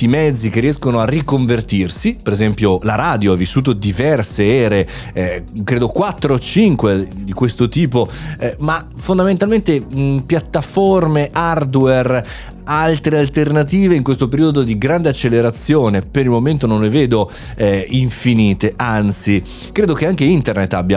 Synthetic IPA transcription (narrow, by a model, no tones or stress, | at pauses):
imɛd̪zːikerːiɛskonoarːikoɱvert̪irsipeɾezɛmpjolaɾaːd̪joavːisːuːt̪̬od̪ivɛrseɛːɾe | kɾeːd̪okwat̪ːɾoːt͡ʃiŋkwed̪ikwest̪ot̪iːpomafond̪ament̪alment̪epjat̪ːaformeard̪wɛr | alt̪ɾealt̪ernat̪iːveiŋkwest̪opeɾiːod̪od̪iɡɾand̪eat͡ʃːelːeɾat̪sːjoːnepeɾilmoment̪onõnleveːd̪o | ɛiɱfiniːt̪eʔant̪si | kɾeːd̪okeaŋk̟eint̪ernet̪ːabja